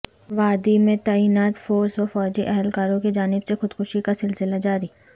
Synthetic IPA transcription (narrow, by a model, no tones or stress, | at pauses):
ʋaːd̪imẽt̪aːiːnaːt̪foːɾsɔfɔːd͡ʒiʔɛɦɛlkaːɾõked͡ʒaːnɪbsexʊd̪xʰʊʃikasɪlsɪlad͡ʒaːɾiː